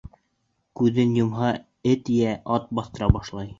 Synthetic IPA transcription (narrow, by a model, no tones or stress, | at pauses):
kʉðɘnjŏmɦɑ | ɘt̪jæʔɑt̪̚bɑθt̪ɤ̆ɾɑbɑʃlˠɑj